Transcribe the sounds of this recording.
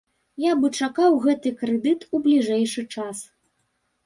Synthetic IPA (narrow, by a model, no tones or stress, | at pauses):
jabɨt͡ʂakawɣɛt̪ɨkɾɛd̪ɨt̪ublʲiʐɛjʂɨt͡ʂas